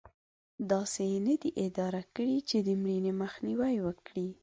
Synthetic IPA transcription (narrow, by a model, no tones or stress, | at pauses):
d̪ɑsenəd̪iʔɪd̪ɑɾakəɽit͡ʃed̪əmɽineməxniwajwəkɽi